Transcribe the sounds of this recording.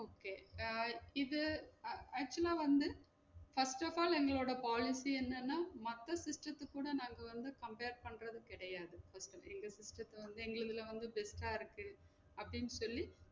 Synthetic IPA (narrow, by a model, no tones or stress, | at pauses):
oːkeː | ɪðɯ | æːk̚t͡ʃːɐlaːʋɐnd̪ɯ | fɐsʈɐfaːlɛŋɡɐɭoːɽɐpaːlɪsiɛnːɐnːaːmɐt̪ːɐsɪsʈɾɐt̪ːɯkːuːɽɐnaːŋɡɐʋɐnd̪ɯkɐmpeːɾpɐɳɾɐðɯkɪɽɐjaːðɯfɐsʈɐɛŋɡɐsɪsʈɾɐt̪ːɐʋɐnd̪ɯɛŋɡɐɭɯðɪlɐʋɐnd̪ɯbɛsʈaːɪɾɯkːɯ | ɐpːɐɽɪnːɯsɔlːi